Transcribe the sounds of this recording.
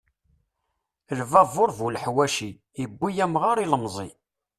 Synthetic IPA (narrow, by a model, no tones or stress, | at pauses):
lvɑvoɾvulħwæʃi | əbːijæmʁaɾiləmzˤi